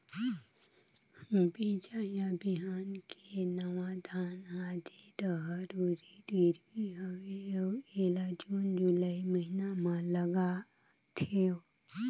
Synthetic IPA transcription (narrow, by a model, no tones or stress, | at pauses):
hmbeːt͡ʃajabiɦaːnkʰenəʋad̪ʱaːnɦad̪et̪əɦəɾuːɾid̪iːɾwiɦoeoeːlad͡ʒuːnd͡ʒʊlaiməɦinamãləɡa | t̪ʰeo